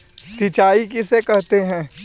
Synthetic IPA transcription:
sit͡ʃaːikɪsekɛɦt̪eɦɛ̃ː

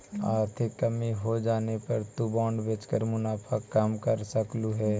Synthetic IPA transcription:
a̰ːɾt̪ʰekːəmiɦod͡ʒaːnepɐɾt̪ubãːɳɖbeːt͡ʃkəɾmʊnaːpʰəkːaːmkəɾsəkluɦɛː

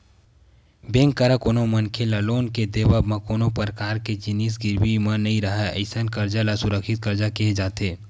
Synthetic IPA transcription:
bẽːŋkːəɾəkoːnomɐnkʰelɐloːnked̪eːwamɐ̃koːnopɾkaːɾked͡ʒɪniːs̬ɡɪɾwimãnɐɦĩɾɐɦɛə̰ɪsənkɐɾd͡ʒalasʊɾəkʃɪt̪̚kɐɾd͡ʒakeɦd͡ʒaːt̪eː

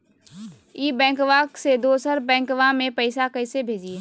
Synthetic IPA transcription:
iːbɛ̃ːŋkʋaːksed̪oːsəɾbɛ̃ːŋkʋamẽpəɪsakəɪsebʱeːd͡ʒie

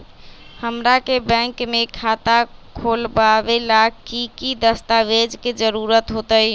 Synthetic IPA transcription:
həmɾakebə̃ŋkmekʰat̪akʰolbabelakikid̪əst̪aʋed͡ʒked͡ʒəɾuɾət̪ɦot̪əj

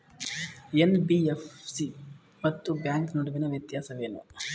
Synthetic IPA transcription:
enbiefsi | mɐt̪ːubjaːŋknoɽuʋinɐʋjɐt̪jaːsɐʋeːnṵ

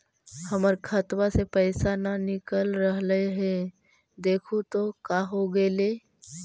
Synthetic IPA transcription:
hɐməɾkʰət̪wasepəɪsananɪkəlɾəɦləeɦɛ̃ | d̪eːkʰũt̪okaɦoɡəleː

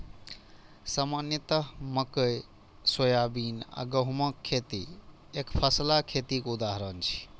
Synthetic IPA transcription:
samanjət̪əɦməkəj | swəjabiːna̰ɡəɦməkʰːet̪i | ekpʰəslakʰet̪ikoud̪aɦɾənt͡ʃʰi̥

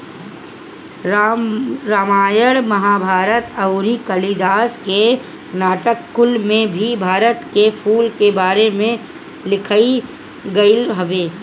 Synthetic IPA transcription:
ɾaːmaːjəɽməɦaːbʱaːɾət̪ɐʊɾikəlid̪aːske | naːʈəkːʊlmẽbʱibʱaːɾət̪kepʰuːlkebaːɾemẽ | lɪkʰai | ɡɐɪlɦɐʋeː

